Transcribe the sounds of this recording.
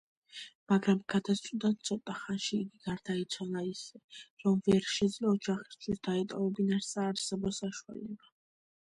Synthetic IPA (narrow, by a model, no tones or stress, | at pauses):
maɡɾamɡ̥ad̪ast̪ʼd̪ant̪sʰɔt̪ʼaχanʃiːɡiɡaɾd̪ait̪sʰwanaisɛɾɔmvɛɾʃɛd̪zlaɔd͡ʒaχi̥st͡ʃ̪ʰwisd̪̥aɛt̪ʼɔvɛbinaɾsaːɾsɛbɔsaʃua̰lɛba